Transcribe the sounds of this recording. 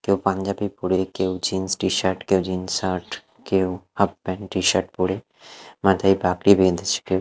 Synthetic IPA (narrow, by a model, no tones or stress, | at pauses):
kewpãɲd͡ʒaːbipuɽekewd͡ʒiːnsʈiʃaɾʈkewd͡ʒiːnsaːʈ | kewhɐbbɛnʈiʃaʈ̚puɽe | mãt̪aibaːkɾibed̪et͡ʃʰkew